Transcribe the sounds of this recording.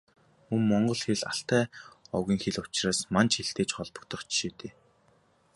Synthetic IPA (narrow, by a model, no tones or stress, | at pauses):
ɵmmɔɴɢɞ̆ɮxeɮa̰ɬt̪æːɔ̰wɣʲiːŋxeɮʊ̥t͡ɕraːsmant͡ɕxeɬt̪eːt͡ɕχɔɮpɞ̥̆kt̪ʰɞ̆χt͡ɕʃeːt̪eː